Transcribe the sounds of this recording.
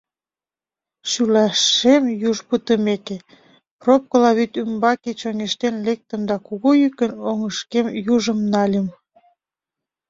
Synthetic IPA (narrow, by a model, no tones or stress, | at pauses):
ɕylɑʃemjuʒpət̪əmeke | prop̚kəlɑβyt̪ymbɑket͡ɕoŋeʃt̪enlek̚t̪ə̆md̪ɑkuɣojykənoŋəʃkemjuʒəmnɑlʲəm